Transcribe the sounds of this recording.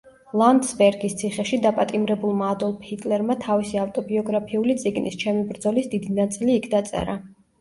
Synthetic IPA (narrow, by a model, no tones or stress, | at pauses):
lˠand̪sbɛɾɡist̪sʰiχɛʃid̪apʼat̪ʼimɾɛbulˠmaːd̪ɔlˠpʰit̪ʼlɛɾmat̪ʰavisiaft̪ʼɔbiɔɡɾapʰiulit̪sʼiɡnʔḭst͡ʃʰɛmibɾd̪zɔlisd̪id̪inat̪sʼiliːkʰd̪at̪sʼɛ̰ɾa